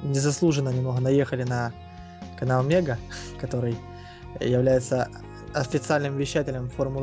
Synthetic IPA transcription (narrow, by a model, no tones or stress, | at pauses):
nʲɪzɐslˠuʐɨnənʲɪmnoɣənɐje̞xəlʲɪnə | kɐnamʲeɡəkɐt̪o̞ɾɨj | jɪvlʲæjɪt̪sə | ɐfʲɪt̪sɨalʲnɨmvʲɪɕːætʲɪlʲəmformʊ